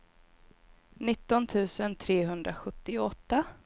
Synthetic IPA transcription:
nɪt̪ːɔnt̪ʰʉ̟ːsənt̪ʰɾeːɦɵnd̪ɾaɧɵt̪ːɪɔt̪ːa

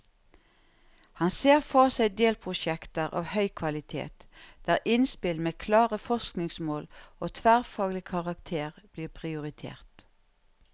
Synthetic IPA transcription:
hɑnseːʁfɔʁsæɪd̪eːlpʰʁʊʃɛkt̪əʁʔɑ̰ːʋhœʏkʰʋɑlɪt̪ʰḛːt̪d̪̥æːʁɪnspɪlmeːkʰlɑːʁəfɔʁsknɪŋsmoːloːt̪ʰʋæːʁfɑːɡlɪkʰɑʁɑkt̪ʰeːʁb̥liːʁpʰʁɪʊʁɪt̪ʰḛːʁt̪

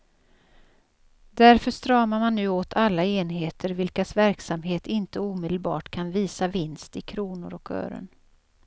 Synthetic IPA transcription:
d̪̥æɾfœʂt̪ɾɑːmaɾmanːʉ̟ːoːt̪ʰalːaeːnɦeːt̪ʰəɾvɪlkasvæɾksamɦeːt̪ɪnt̪əuːmeːd̪əlbɑ̰ːʈkʰanviːsavɪnst̪ɪkʰɾuːnʊ̰ɾɔkø̰ːɾə̰n

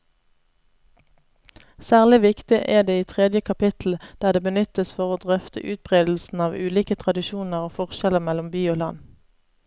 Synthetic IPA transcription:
sæːʁlɪʋɪkt̪ɪʔeːd̪eːiːt̪ʰʁɛd̪jəkʰɑpɪt̪ʰl̩d̪̥æːʁd̪eːbənʏt̪əsfɔʁoːd̪ʁœft̪ə̰ʔʉːt̪̚bʁeːd̪l̩sn̩ɑːʋʉːliːkət̪ʰʁɑd̪ɪʃuːnəʁoːfɔʁʃɛləʁmɛlʊmbyːoːlɑn

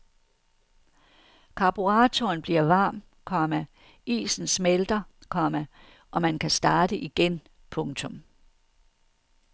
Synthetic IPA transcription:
kʰɑ̈b̥uʁɑ̈ːt͡sʰonb̥liɐʋɑ̈ːm | kʰɒ̽mæ | ḭːsn̩smeld̥ɐkʰɒ̽mæ | ʔɒ̽mænkʰæsd̥ɑ̈ːd̥əʔiɡ̥en | pʰɔ̽ŋt͡sʰɔ̽m

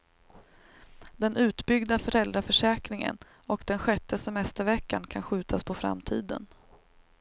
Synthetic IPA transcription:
d̪ɛnʉ̟ːt̪bʏɡd̪afœɾɛld̪ɾafœʂɛːkɾɪŋə̰n | ɔkd̪̥ɛnɧɛt̪ːəsɛmɛst̪əɾvɛkːankʰanɧʉ̟ːt̪ʰaspʰɔfɾa̰mt̪ʰḭːd̪ə̰n

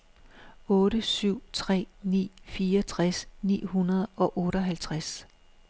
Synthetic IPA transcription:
ɔ̽ːɾəsyʊ̰t͡sʰʁɛ̰ːnḭːfiːɐt͡sʰʁasnḭːhunɐð̞ˠʔɒ̽ʔɔ̽ːɾɒɦælt͡sʰʁas

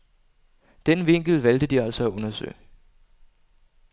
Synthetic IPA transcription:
d̥enʋe̝ŋ̰ɡ̥l̩ʋæld̥əd̥iæl̰sɒæɔ̽nɐsø̰ː

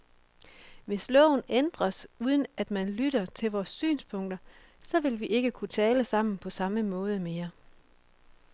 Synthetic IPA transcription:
ʋe̝slɔ̰ʊ̰nend̥ʁɐsuð̞ˠən̩æd̥mænlyɾ̥ɐt͡sʰe̝lʋɒːsːy̰ːnspʰɔ̽ŋ̰d̥ɐ | sɒ̽ʋe̝lʋiʔe̝ɡ̥əkʰut͡sʰɛːləsɑ̈m̰n̩pʰɒ̽sɑ̈məmɔ̽ːð̞ˠəme̝ːɐ

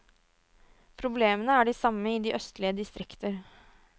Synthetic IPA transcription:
pʰɾʊbleːmənəæɖisɑmːəɪd̪iːʔœst̪lɪəd̪ɪst̪ɾɪkt̪ʰəɾ

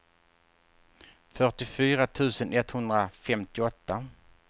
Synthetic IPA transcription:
fœʈɪfyːɾat̪ʰʉ̟ːsənʔɛt̪ːhɵnd̪ɾafɛmt̪ɪɔt̪ːa

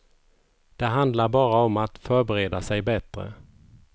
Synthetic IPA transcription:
d̪̥ɛɦand̪laɾbɑːɾaɔmat̪fœɾbɛɾeːd̪asɛjbɛt̪ɾə̰

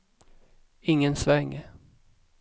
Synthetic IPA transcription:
ɪŋːənsvɛŋː

